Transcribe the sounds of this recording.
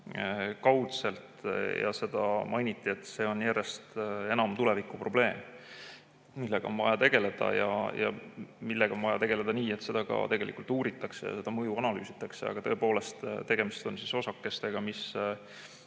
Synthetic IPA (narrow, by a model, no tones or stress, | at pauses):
kɑwt̪se̞lt̪jɑ̰se̞d̪̥ɑmʔɑjnʲit̪ːˑie̞t̪ːse̞ːo̞njære̞st̪e̞nɑmt̪ule̞vikːˑupro̞b̥le̞ːm | milːe̞ɡ̥ɑ̰o̞nvɑjɑt̪e̞ɡ̥e̞le̞d̪̥ɑ̰jɑ̰jɑ̰milːe̞ɡ̥ɑo̞nvɑjɑt̪e̞ɡ̥e̞le̞d̪̥ɑniːe̞t̪se̞d̪̥ɑɡ̥ɑ̰t̪e̞ɡ̥e̞lḭkˑult̪uːɾit̪ːˑɑkse̞̰jɑ̰se̞d̪ɑmɤjuɑnɑly̰ːsit̪ːˑɑkse̞ɑ̰ɡ̥ɑt̪ɤepoːle̞st̪t̪e̞ɡ̥e̞mist̪o̞nsiso̞sɑkːe̞st̪e̞ɡ̥ɑmis